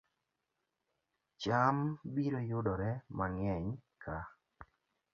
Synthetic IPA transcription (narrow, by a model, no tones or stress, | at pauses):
t͡ʃambiɾojʊdɔɾɛmaŋɛɲkʰa